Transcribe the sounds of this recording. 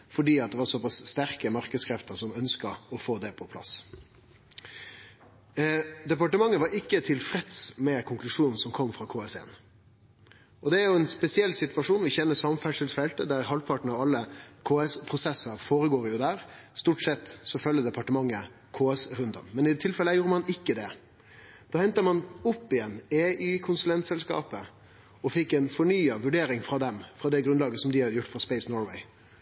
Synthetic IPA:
fɔɖiːɑt̪̚d̪ɛʋɑɾsɔpɑsst̪æɾkəmɑɾkəd̪skʰɾɛft̪əɾsɔmœnskəɔfoːd̪ɛpʰɔpʰlɑ̰s | d̪ɛpɑʈəmɑŋːəʋɑɾɪkːət̪ʰɪlfɾɛt̪smɛkʰʊŋklʉʂuːnn̩sɔmkʰɔmːfɾɑkʰoːɛsɛ̰ːn | ɔd̪ɛæɾjʊɛnspɛsɪɛlːsɪt̪ʋɑʂuːnʋɪçɛnːəsɑmfæʂəlt̪fɛlt̪əd̪æɾɦɑlpʰɑʈɳ̩ɑʋɑlːəkʰoːɛspʰɾʊsɛsəɾfoːɾəɡoːɾjʊd̪æːɾst̪uːʈsɛt̪ːsɔfœljəd̪ɛpʰɑʈəmɑŋːə | kʰoːɛsɾʉnd̪ə̰mmɛnɪt̪ʰɪlfɛləjuːɾəmɑnɪkːəd̪ɛ | d̪̥ɑːhɛnt̪əmɑnʊpːɪjɛnːeːʔyːkʰʊnsʉlɛnt̪sɛlskɑ̰ːpə | ɔfɪkːɛɪnfɔɳyːɑʋʉɖeːɾɪŋfɾɑːd̪ɛmfɾɑd̪ɛɡɾʉnd̪ɑːɡəsɔmd̪ɪɑjʊʈːfɔspɛɪsnɔːɹʋɛ̰ɪ

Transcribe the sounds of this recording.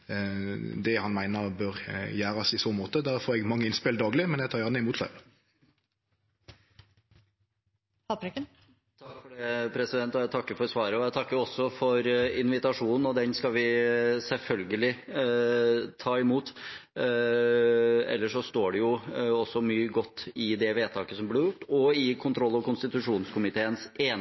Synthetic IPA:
d̪ɛhɑnmæɪnəbøːɾjæːɾɑsɪsoːmoːt̪əd̪æɾfoːɾɛɡmɑŋːəɪnspɪld̪ɑːɡlɪmɛnjɛt̪ʰɑːɾjæʁnəɪmuːt̪lɑ̰ɪ | pɑpɾɪkə | t̪ʰɑkːfɔɖeːpʰɾɛsɪd̪ɛnt̪ɔjæt̪ʰɑkːəɾfɔɾsʋɑːɾəɔjæt̪ʰɑkːəɾɔsːɔfɔɾɪnʋɪt̪ɑʂuːnn̩ɔd̪ɛnskɑʋɪsɛlfœlɡəlɪ | t̪ʰɑːɪmuːt̪ | ɛ̰lːəʂɔst̪oːɖɛjʊɔsːɔmyːəɡɔt̪ːɪd̪ɛʋeːt̪ʰɑːkəsɔmblɪɾjʊʈːɔɪkʰʊnt̪ʰɾɔlːɑʋkʰʊnst̪ɪt̪ʉʂuːnskʰʊmɪt̪ʰeːənseːn

